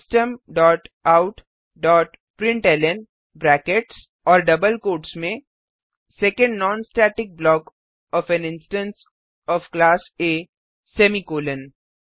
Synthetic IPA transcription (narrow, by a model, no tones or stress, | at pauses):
sʈəmɖɔːʈaʊʈ | ɖɔːʈ | pɾɪ̃ɳʈɛːlɛn | bɾɛːkeʈs | ɔːɾɖɐbəlkoːʈsmẽ | sɛːkə̃ɳɖnɔːnsʈɛːʈɪk̚blɔːk | ɔːfɛ̃nɪ̃nsʈə̃ns | ɔːfklaːseː | sɛːmikoːlə̃n